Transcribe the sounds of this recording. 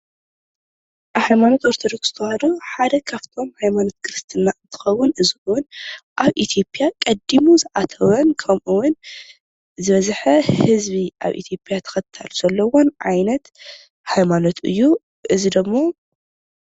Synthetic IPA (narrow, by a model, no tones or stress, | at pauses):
ʔhajmanot̪oɾt̪ʰɐd̪okz̥ɨ̥t̪ʰɐhad̪oħad̪ɐkʰaft̪ʰo̞mhajmanot̪̚kʰɾɨst̪ʰɨnat̪ʰɨ̥xɐwːʊnʔɨziʔwʊnʔaβʔit̪ʰjo̞pʼjakʼɐd̪ːimuzɨʔat̪ʰɐβɐnkʰɐmʔuwʊn | zɨβɐzħɐhɨzβiʔa̰βʔḭt̪ʰjopʼjat̪ʰɐ̥xɐt̪ʰːaluz̥ɐlːɐwonʕa̰jnɐt̪ | hajmano̞t̪ɨ̰jːu | ʔɨzid̪ɨmːo̞